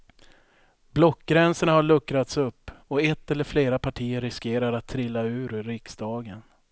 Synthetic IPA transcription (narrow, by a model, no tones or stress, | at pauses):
blɔkːɡɾɛnsəɳahaɭɵkːɾat̪sɵpːɔɛt̪ːɛləɾfleːɾapʰaʈʰiːəɾːɪskeːɾaɾat̪ʰːɾɪlːaʉ̟ːɾɾɪksd̪ɑːɡən